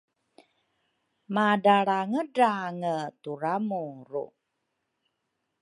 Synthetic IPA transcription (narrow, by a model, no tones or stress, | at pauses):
madaɽaŋədaŋətuɾamuɾṵ